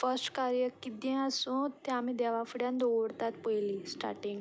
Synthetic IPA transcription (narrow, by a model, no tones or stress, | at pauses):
fəsʈkaɾjəkid̪jẽəsũt̪eamid̪ɛʋafuɽjãnd̪oɽt̪at̪pəjliːsʈa̰ʈĩŋɡ